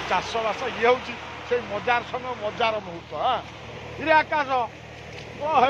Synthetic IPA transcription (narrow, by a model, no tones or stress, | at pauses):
t͡ʃasɔbasaɡeɦowt͡ʃʰi | sejmɔd͡ʒaɾɔsɔŋɡɔmɔd͡ʒaɾɔmɔɦut̪ɔɦã | iɾeakasɔ | ɔɦe